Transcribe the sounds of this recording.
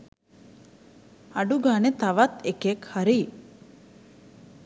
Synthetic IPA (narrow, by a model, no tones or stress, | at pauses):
aɖuɡaːnet̪aʋat̪ekekhaɾiː